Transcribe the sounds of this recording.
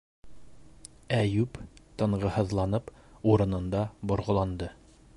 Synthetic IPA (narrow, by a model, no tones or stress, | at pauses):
æjʉpt̪ɤ̆ɴʁɤ̆hɤ̆ðlˠɑnɤpuɾɤ̆nɤ̆nd̪ɑbŏɾʁɤ̆lˠɑnd̪ɤ